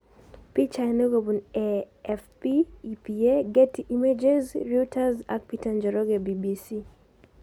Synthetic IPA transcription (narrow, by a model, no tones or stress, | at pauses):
pit͡ʃaneɡobune | ɛfpiːpieɡetiʔimed͡ʒezɹutʰaza̰k̚pitand͡ʒɔɾɔɡebibisi